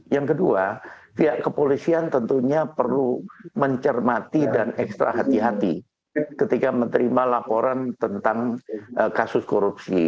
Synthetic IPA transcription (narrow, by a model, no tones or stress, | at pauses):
jaŋkədua | piɦaʔkəpolisiant̪ənt̪uɲapərluməɲt͡ʃərmat̪idanɛkst̪ɾa̰ɦat̪iɦat̪i | kət̪ikamənt̪əɾimalapoɾant̪ənt̪aŋəkasʊskoɾupsḭ